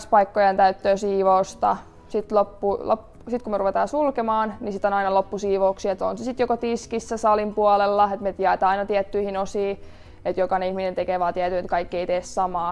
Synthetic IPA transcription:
spɑikːojɑnt̪æyt̪ːøːsiːʋoust̪ɑ | sit̪lopːulo̰pː | sit̪kumeruʋet̪ɑːnsulkemɑːnnisit̪ːonɑinɑlopːusiːʋouksiet̪o̰nsesit̪jokot̪iskisːæsɑlimpuɑlelːɑet̪met̪jɑet̪ɑɑinɑt̪iɛt̪ːyihinosiː | et̪jokɑnihminent̪ekeʋɑːt̪iæt̪yinet̪kɑikːieit̪eːssɑmɑː

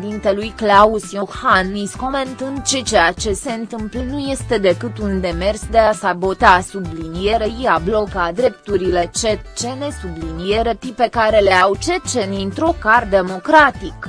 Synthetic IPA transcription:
d̪int̪e̞lujklausjohanisko̞me̞nt̪ɨnd̪̚t͡ʃe̞t͡ʃejat͡ʃe̞se̞ɨnt̪ɨmplənuje̞st̪e̞d̪e̞kɨt̪und̪e̞me̞rsd̪e̞asabo̞t̪asublinije̞ɾeiablo̞kad̪ɾe̞pt̪uɾile̞t͡ʃet͡ʃe̞ne̞sublinijeɾe̞t̪ipe̞kaɾe̞le̞awt͡ʃe̞t͡ʃe̞nint̪ɾokard̪e̞mo̞kɾat̪ik

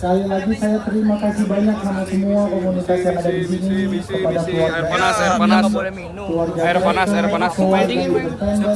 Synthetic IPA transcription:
kalilaɡisajat̪əɾimakasibaɲaksamasəmuakomunit̪asjaŋadadisinikəpadakluarɡasami | kluarɡatɛt̪əkluwarɡaibərt̪ɛŋɡa

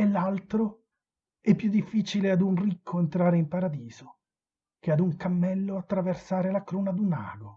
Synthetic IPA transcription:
elːalt̪ɾo | ɛpːjud̪ːifːiːt͡ʃilead̪unrikʰːoent̪ɾaːɾeimpaɾad̪iːzo | kead̪uŋkamːɛlːoat̪ːɾaversaːɾelakɾuːnad̪una̰ːɡo

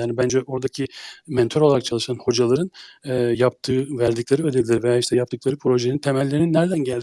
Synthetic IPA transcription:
jaːnibænd͡ʒɛʔo̞ɾd̪acʰimɛnt̪ʰøɾolˠaɾak̚t͡ʃʰalˠɯʃanho̞d͡ʒalˠaɾɯnɛːjap̚t̪ʰɯːvæɾd̪iclʲˠeɾɯø̞d̪ed̪ʲilʲɾvejaːiʃt̪ɛjap̚t̪ɯklˠaɾɯpʰɾo̞ʒenint̪ʰe̞mælʲːe̞ɾininːæɾd̪ænɟælʲd̪i

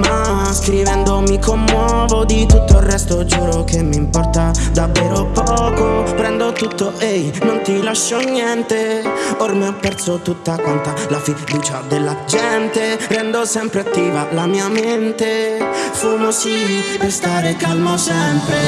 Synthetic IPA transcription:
ma | skɾivɛnd̪omikomːwɔ | vod̪it̪ut̪ːoilrɛst̪od͡ʒɔːɾokemːimpɔrt̪ad̪avːɛːɾopɔkopɾɛnd̪ot̪ut̪ːoʔejnont̪ilaʃːɔnjɛnt̪eoɾmiɔpːɛrt̪sot̪ut̪ːakɔnt̪alafid̪uːt͡ʃad̪elːad͡ʒɛnt̪erɛnd̪ɔsɛmpɾeat̪ːiːvalamiːament̪efumosipest̪aːɾekalmosɛmpɾe

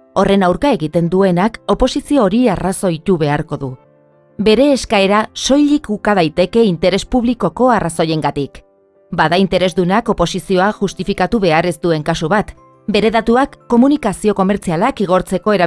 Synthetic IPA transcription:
o̞re̞nawɾkae̞ɣit̪e̞nd̪ue̞nako̞po̞sisio̞ːɾiaraso̞it̪uβe̞aɾko̞ðu | be̞ɾe̞ːskae̞ɾaso̞jʎlikukað̞ajt̪e̞ke̞int̪e̞ɾe̞spuβ̞liko̞ko̞araso̞je̞ŋɡat̪ik | baðaint̪e̞ɾe̞zd̪unako̞po̞sisio̞aʝust̪ifikat̪uβe̞aɾe̞zd̪ue̞ŋkasuβat̪ | be̞ɾe̞ðat̪uakːo̞munikasio̞ko̞me̞ɾt͡sialakiɣ̞o̞ɾt͡se̞ko̞e̞ɾa

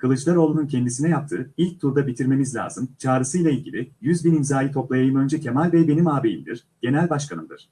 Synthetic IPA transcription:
kʰɯlˠɯt͡ʃlˠaɾo̞ːlˠunun̚cʰɛnd̪isinɛjap̚t̪ʰɯ̰ːilʲc̚t̪ʰuɾd̪abit̪ʰiɾme̞mizlʲa̰ːzɯmt͡ʃʰaːɾɯsɯjlˠailʲɟḭlʲijyzbinimzaːjʲit̪ʰo̞plˠajajɯmø̞nd͡ʒɛcʰe̞malʲvɛbe̞nimaːbejḭmd̪ḭɾ̥ | ɟ̥e̞nælʲbaʃkʰanɯmd̪ɯ̰ɾ̥

